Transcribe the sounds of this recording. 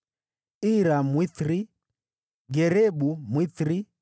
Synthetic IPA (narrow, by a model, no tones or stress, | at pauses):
iɾamwiθɾi | ɡɛɾɛɓumwiθɾi